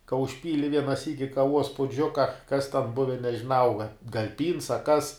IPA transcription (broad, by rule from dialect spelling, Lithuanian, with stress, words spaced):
kɐ ʊʃʲˈpʲiːlʲɪ ˈʋʲiɛnɐ ˈsʲiːkʲɪ kɐˈʋuɔs pʊˈd͡ʒʲʊkɐ kɐs tʲɛn ˈbʊʋʲɛ nʲɛʒʲɪˈnɐʊ ɡɐ ɡɐlʲ pʲiːns ɐ ˈkɐs